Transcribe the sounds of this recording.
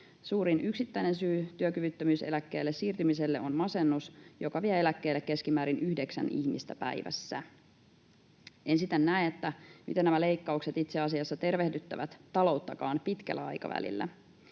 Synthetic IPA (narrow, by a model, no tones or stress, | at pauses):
suːɾinʔyksit̪ːæjne̞nsyːt̪yøkyʋyt̪ːømyːse̞̰lækːe̞̰ːlːessiːrt̪ymise̞lːe̞onmɑse̞nːusjo̞kɑʋiæelækːeːlːekːe̞skimæːɾinyhde̞ksæ̰nḭçmḭst̪æpæ̰iʋæ̰sːæ | ensit̪ænːæeet̪ːæmḭt̪enæmæle̞ikːɑukset̪it̪seɑsiɑsːɑt̪e̞rʋehdyt̪ːæʋæt̪t̪ɑlo̞wt̪ːɑkɑːnpit̪kæ̰lːæɑ̰jkɑ̰ʋæ̰lḭlːæ̰